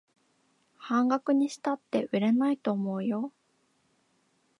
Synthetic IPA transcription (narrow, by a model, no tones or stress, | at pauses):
hãŋɡakɯ̟ɲ̟iɕi̥t̪at̪ːe̞ʔɯɾe̞nait̪o̞ːmo̞ːjo̞